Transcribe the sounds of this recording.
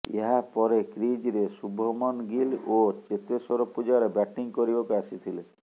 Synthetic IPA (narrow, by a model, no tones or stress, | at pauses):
ḛɦapɔɾekɾid͡ʒɾesubʱɔmɔnɡilot͡ʃet̪esɔɾopud͡ʒaɾebɛʈiŋkoɾibokeasit̪ʰile